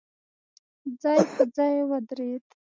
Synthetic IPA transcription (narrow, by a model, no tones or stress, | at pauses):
d͡zɑjpəd͡zɑjewad̪ɾet̪